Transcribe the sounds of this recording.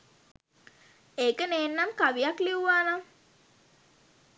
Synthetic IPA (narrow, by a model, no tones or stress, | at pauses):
eːkəneːnːamkaʋijakliuʋaːnaŋ